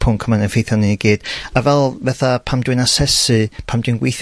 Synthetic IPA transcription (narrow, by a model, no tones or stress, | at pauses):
pʰʊŋkʰəmanənfejθjɔniniɡiːd̥avɛlˠvɛθapʰamdwɨnasɛsɨpʰamdwɨnɡwejθ